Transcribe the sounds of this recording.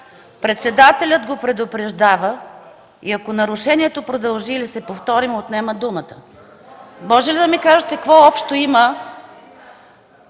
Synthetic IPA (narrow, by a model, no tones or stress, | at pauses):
pɾɛt̪sɛd̪at̪ɛlʲət̪ɡopɾɛd̪ʊpɾɛʒd̪avə | iɐkonɐɾʊʃɛniɛt̪opɾod̪ɐlˠʒiːlisɛpoft̪ɔɾimot̪nɛməd̪umət̪ə̥ | mɔʒɛlid̪ɐmikaʒət̪ɛkvɔɔpʃt̪oimə